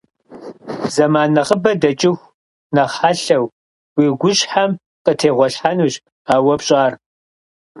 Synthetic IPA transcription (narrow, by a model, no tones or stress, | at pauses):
zɐmaːnɐʁəbɐdɐt͡ʃʼɪxʷ | nɐχħaɬɐw | wiːɡʷʊɕħam | qʼətʰeːʁʷɔɬħanuːɕ | aːwɐpɕʼaːr